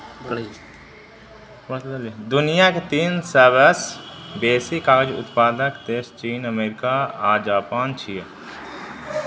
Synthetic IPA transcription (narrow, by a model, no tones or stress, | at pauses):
ld̪ʊnijaket̪iːnsəʋəsbeːsikaːd͡ʒʊ̰t̪paːd̪əkt̪eːst͡ʃiːnəmeːɾɪkaad͡ʒaːpaːnt͡ʃʰije